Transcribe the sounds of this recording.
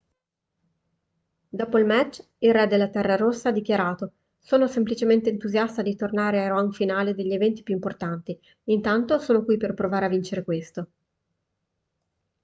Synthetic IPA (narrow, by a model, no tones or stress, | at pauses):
d̪ɔːpoilmɛt͡ʃː | ilrɛd̪elːat̪ɛrːaɾosːaad̪ikʲjaɾaːt̪o | soːnosemplit͡ʃement̪eːnt̪uzjast̪ad̪it̪ornaːɾeajɾoaŋfinaːled̪eʎːievɛnt̪i̥pjuimport̪ant̪iː | nt̪ant̪osoːnokwiperpɾovaːɾeavːint͡ʃeɾekwest̪o